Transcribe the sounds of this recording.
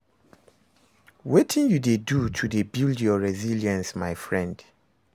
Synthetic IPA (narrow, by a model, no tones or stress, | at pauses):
wetʰĩnjudedutʰudebilˠdjɔɹɛziljãnsmaɪfɹɛ̃nd